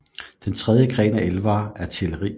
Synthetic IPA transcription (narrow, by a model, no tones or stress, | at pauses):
d̥ent͡sʰʁɛð̞ˠjəɡ̥ʁɛ̰ːnæelʋɑːæɐt͡sʰe̝ləʁḭː